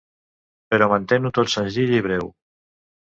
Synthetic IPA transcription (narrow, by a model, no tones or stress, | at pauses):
peɾɔmãnt̪enut̪ot̪senziʎiβ̞ɾɛw